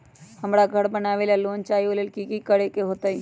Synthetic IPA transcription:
həmɾaɡʱəɽbənaːʋeːlaloːnt͡ʃaːjoːlelkikikəɽekeɦoːt̪aːi

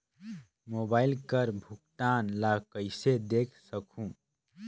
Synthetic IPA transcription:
mobaːɪlkəɾbʱuk̚t̪aːnlakəɪsed̪ekʰsəkʰũ

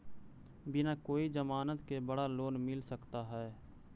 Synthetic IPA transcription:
bɪnakoːid͡ʒəmaːnət̪kebɐɽaloːnmɪlsəkt̪aɦɛː

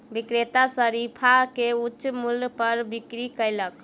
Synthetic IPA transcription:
bikɾet̪asəɾipʰakeutːʃmulpəɾbikɾikəjlək

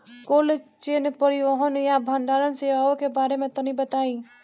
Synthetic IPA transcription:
koːlet͡ʃeːnpəɾiʋəɦənjabʱə̃ɳɖaːɾənseaːokebaːɾemẽt̪onĩbət̪aːĩ

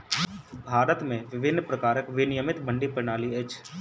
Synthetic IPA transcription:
bʱaːɾət̪mẽʋɪʋɪnːpɾəkaːɾəkʋɪnɪjəmɪt̪bə̃ɳɖipɾɪnaːliət͡ʃʰ

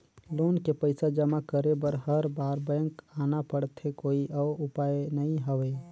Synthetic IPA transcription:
loːnkepəɪsad͡ʒəmakəɾebəɾɦəɾbaːɾbɛ̃ŋkaːnapəɽt̪ɦekoːiʔɔːɾʊpaːjnəĩɦəwe

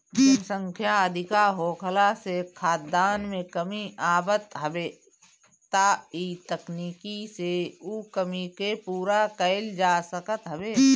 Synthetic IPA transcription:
dʊnsə̃ŋkʰjaəd̪ʱɪkaɦoːkʰəlasekʰaːt̪̚d̪aːnmẽkəmiaːbət̪ɦəbeː | t̪ait̪əkniːkiseukəmikepuːɾakəɪld͡ʒaːsəkət̪ɦəbeː

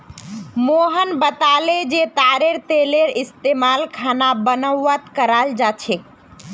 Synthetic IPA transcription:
moɦənbət̪aled͡ʒet̪aɾeɾt̪eleɾist̪emalkʰanabənəwət̪kəɾald͡ʒat͡ʃʰek

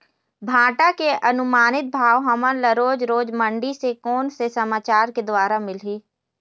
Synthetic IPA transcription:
bʱãːʈakeɐnʊmaːnɪt̪̚bʱaːʋɦɐmənləɾoːd͡ʒɾoːd͡ʒmə̃ɳɖisekoːnsesɐmaːt͡ʃaːɾked̪waːɾamɪlɦiː

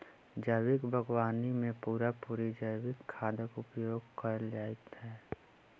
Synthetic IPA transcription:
d͡ʒəwɪkbʱəɡwaːnimẽpuːɾapuːɾid͡ʒəjwɪkʰːaːd̪əkʊpjoːɡkəɾd͡ʒaːɪt̪ɦɛː

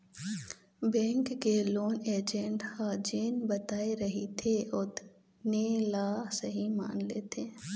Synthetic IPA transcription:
bɛ̃ːŋkːeloːneːd͡ʒə̃ɳʈhaːd͡ʒeːnbɐt̪aːeɾɐɦit̪ʰeʊt̪ | neːlaːsɐɦima̰ːnleːt̪ʰeː

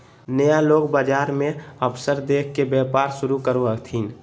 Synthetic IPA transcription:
nəjaloːɡbad͡ʒaːɾmẽəpʰsəɾd̪eːkʰkebɛːpaːɾʃʊɾukəɾoət̪ʰiːn

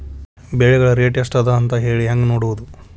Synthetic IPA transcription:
beɭɛɡɐɭɐɾeːʈjɐsʈɐd̪ɐːnt̪ɐɦeːɭiɦaːŋɡenoːɽuʋud̪u

